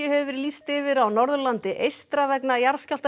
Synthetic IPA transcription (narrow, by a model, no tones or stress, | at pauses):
ʏhɛvʏɾlist̪ɪvɪɾawnɔɾðʏlant̪ɪʔejst̪ɾavɛknajaɾscalt̪